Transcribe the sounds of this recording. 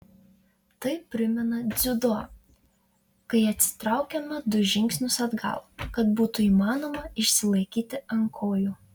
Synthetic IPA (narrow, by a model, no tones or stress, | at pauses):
t̪ɐɪpʲɾʲɪmʲɛnɐd̪zʲʊd̪oɐ | kɐɪɐt̪ʲsʲɪ̥t̪ɾɑˑʊkʲɛmɐd̪ʊʒʲɪŋʲksʲnʲʊsɐd̪ɡɐ̰lˠkɐt̪buːt̪ʊiːmɑːnoːmɐɪʃʲsʲɪlˠɐɪkʲiːt̪ʲɪɐŋkʰoːjuː